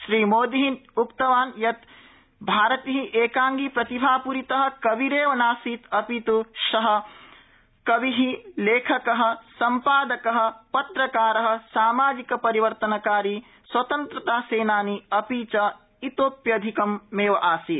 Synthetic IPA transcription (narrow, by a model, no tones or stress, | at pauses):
ʃɾiːmoːd̪iɦinukt̪ɐʋaːnjɐt̪ | bʱaːɾɐt̪iɦiʔeːkaːŋɡipɾɐt̪ibʱaːpuɾit̪ɐɦɐ̆kɐʋiɾeːʋɐnaːsiːt̪ɐpit̪uʃɐɦɐ̆ | kɐʋiɦileːkʰɐkɐɦɐ̆sɐmpaːd̪ɐkɐɦɐ̆pɐt̪ɾɐkaːɾɐɦɐ̆saːmaːd͡ʒikɐpɐɾiʋɐɾt̪ɐnɐkaːɾi | swɐt̪ɐnt̪ɾɐt̪aːseːnaːniɐpiːt͡ʃɐ | it̪oːpjɐd̪ʱikɐmːeːʋɐʔaːsi